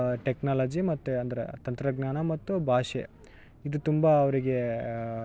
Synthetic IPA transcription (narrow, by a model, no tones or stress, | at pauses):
ʈeknaːlɐd͡ʒimɐt̪ːuɐnd̪ɐɾḛt̪ɐnt̪ɾɐɡnaːnɐmɐt̪ːubʱaːʂḛ | id̪ut̪umbaːʋɐɾiɡe̞